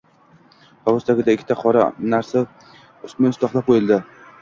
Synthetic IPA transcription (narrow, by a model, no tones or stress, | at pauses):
pʰaʁʊst̪ʰaɡʲɪd̪aɪkʲʰːɪt̪ʰaqʰɒɾa̰naɾsa | ʊsmɪɪst̪ɒχlˠap̚qʰojɪlˠd̪ɪ